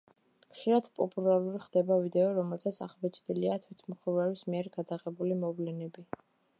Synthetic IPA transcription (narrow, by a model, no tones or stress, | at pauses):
kʰʼʃiɾad̪pʼɔpʼulalˠuɾiχd̪ɛbavid̪ɛɔɾɔmɛlˠsat̪sʰa̰ʁbɛt͡ʃʰʼd̪iliat̪ʰwit̪ʰmχɾvɛɾismiɛɾɡad̪aʁɛbulimɔvlɛnɛbi